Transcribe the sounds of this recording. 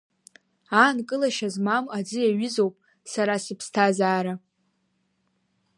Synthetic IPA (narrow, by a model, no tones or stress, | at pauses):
ankʼɨlaʃazmamad͡zɨjaɥɪzowpʼ | saɾasɨpʰstʰazaːɾa